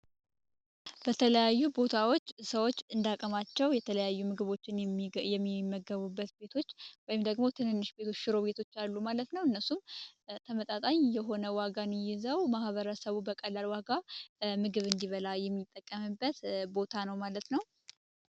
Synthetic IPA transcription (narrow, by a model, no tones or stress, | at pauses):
bət̪ʰələjajːubo̞t̪ʰawo̞t͡ʃːsəwo̞t͡ʃːɨnd̪akʼəmat͡ʃːɛwjɛt̪ʰələjajːumɨɡɨβo̞t͡ʃːɪnjɛmːimːəɡəβubːət̪be̞t̪ʰo̞t͡ʃːwɔjɪmd̪əɡmo̞t̪ʰɨnɨnːɨʃbet̪ʰo̞t͡ʃːʃɪɾo̞be̞t̪ʰo̞t͡ʃːalːumalət̪nəwɨnːəsumt̪ʰəmət̪ʼat̪ʼaɲjɛɦo̞nəwaɡanɪjɪzəwmahβəɾəsəβubəkʼəlːalwaɡamɨɡɨβɨnd̪iβəlajɛmːit̪ʼːəkʼːəmɨbːət̪bo̞t̪ʰanəwmalət̪nəw